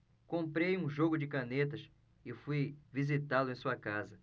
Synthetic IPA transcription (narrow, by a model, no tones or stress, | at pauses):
kõmpɾejũʒoɡʊd͡ʒɪkɐnet̪ɐʃ | ɪfujvizit̪alʊẽj̃suɐkazɐ